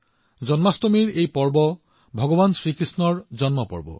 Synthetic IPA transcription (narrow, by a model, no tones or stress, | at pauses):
d͡ʑɔnmastomiɹejpɔɹbɔ | bʱɔɡɔbansɹikɹisnɔɹd͡ʑɔnmɔpɔ̰ɹbɔ̰